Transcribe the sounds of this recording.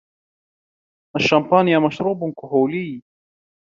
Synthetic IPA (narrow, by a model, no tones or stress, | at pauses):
ʔaʃːampaːnjamaʃɾuːbʊnkʊɦuːliː